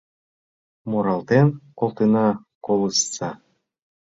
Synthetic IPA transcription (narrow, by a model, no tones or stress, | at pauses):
moɾɑlˠt̪enkolˠt̪ənɑ | kolˠɯsːɑ